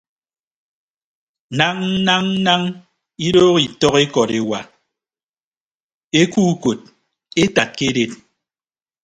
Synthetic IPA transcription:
na˦ŋ̩˦na˦ŋ̩˦na˦ŋ | i˦doː˦ɣi˨tɔ˦ɣe˦kɔ˨ɾe˨wa˨ | e˦kuː˦ko˨t̚ | e˦ta˨t̚ke˦de˦t̚

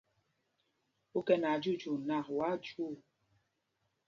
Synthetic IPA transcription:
u˦kɛ˦na˨d͡ʒu˦˨d͡ʒu˨na˦˨kwa˨˦d͡ʒu˦˨

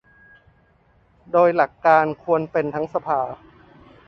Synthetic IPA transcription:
doː˧jla˨˩kːaː˧nkʰu˧ənpe˧nt̪ʰa˦˥ŋsa˧pʰaː˧

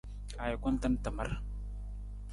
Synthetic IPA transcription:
a˨ja˨kʷɔ˦n˦ta˦nta˨ma˦ɾ

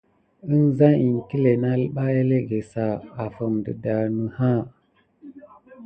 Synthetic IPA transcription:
ə˦nza˦i˨nki˦le˨na˦lɓa˦e˦le˦ɡe˨sa˨a˨fə˨mdə̰˨da˨ɾnə˨ha˦˨

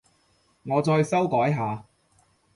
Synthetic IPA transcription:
ŋɔː˨˧t͡sɔː˧jsɐ˥wkɔː˨˥jɦaː˨˧

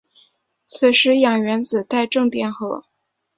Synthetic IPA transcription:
t͡s̩ʰ˨˩ʂɻ̩˧˥jɑ˨˩ŋɥɛ˧˥nt͡sɹ̩˨˩t̪a˥˧ɪʈ͡ʂɤ˥˧ŋt̪jɛ˨˩nxɤ˧˥

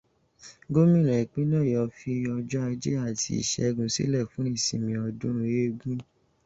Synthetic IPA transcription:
ɡo˦mĩ˦˨ɾ̃ã˨i˨k͡pĩ˦nã˦˨jɔ˧fi˧ɔ˧d͡ʒɔ˦a˧d͡ʒḛ˦a˦˨tʰḭ˧˦ḭ˨ʃɛ̰˧ɡũ˧sḭ˦lɛ˦˨fũ˨˦ĩ˦˨sḭ̃˨mĩ˧ɔ˧dũ˦ɾ̃ũ˧je˦ɡũ˦

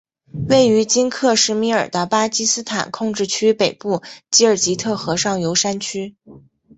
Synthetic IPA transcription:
we˥˩ɪy˧˥t͡ɕi˥nkʰɤ˥˧ʂɻ̩˥˩mi˧˥ə˞˨˩d̪ə˦pa˥t͡ɕi˥sɹ̩˥t̪ʰa̰˨˩nkʰʊ˥˧ŋʈ͡ʂɻ̩˥˩t͡ɕʰy˥pe˨˩ɪpu˥˩t͡ɕi˥ə˞˨˩t͡ɕi˧˥t̪ʰɤ˥˩xɤ˧˥ʂɑ˥˩ŋjo˧˥ʊʂa˥nt͡ɕʰy˥

